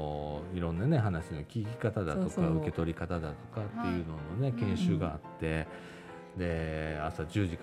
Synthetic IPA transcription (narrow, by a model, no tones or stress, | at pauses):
iɾõ̞nːane̞ɦanaɕino̞kʲiːkʲi̥kat̪ad̪ao̞kaɯ̟ke̞t̪o̞ɾʲikat̪ad̪at̪o̞kat̪ːe̞jɯ̟ːno̞no̞ne̞kẽ̞ɰ̃ɕɨːɡaa̰t̪ːe̞ | d̪e̞asad͡ʑɨːʑik